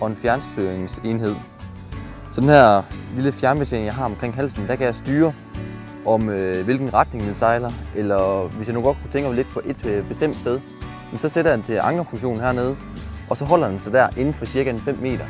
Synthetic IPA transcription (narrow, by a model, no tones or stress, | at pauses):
ʔɒ̽e̝nfjæɐnsd̥yɐeŋse̝nɦe̝ð̞̰ˠ | sɒ̽d̥enhæɐ̰liləfjæɐnəb̥et͡sʰḛːŋjɑ̈ɪɦɑ̈ɒ̽mkʰʁeŋ̰ɦæl̰sn̩d̥ækæjɑ̈ɪsd̥yːɐ | ɒ̽møʋe̝lɡ̥n̩ʁäd̥ne̝ŋd̥ensɑ̈ɪlɐʔelɐʋesjɑ̈nuɡ̥ɒ̽d̥kʰu̥t͡sʰeŋɡ̥ɐmle̝d̥̚pʰɒ̽ʔe̝d̥b̥e̝sd̥em̰d̥sb̥eðˠ | jjemn̩sɒ̽seɾ̥ɐjɑnt͡sʰe̝lʔɑ̈ŋ̥ɐfoŋɕo̝̰ːn̩hæɐne̝ːð̞ˠə | ʔɒ̽sɒ̽ɦɒ̽l̰ɐd̥ensɑ̈ɪd̥æɐ̰ʔe̝nn̩fɒ̽siɐɡ̥æenfem̰mːe̝̰ːd̥ɐ